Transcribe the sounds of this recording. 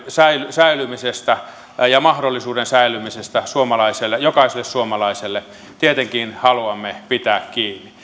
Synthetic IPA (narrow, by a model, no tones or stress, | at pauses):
sæilysæilymisest̪æ | jɑmɑhdolːisuːdensæilymisest̪æsuomɑlɑiselːejokɑiselːessuomɑlɑiselːe | t̪iet̪eŋkiːnhɑluɑmːepit̪æːkkiːnːi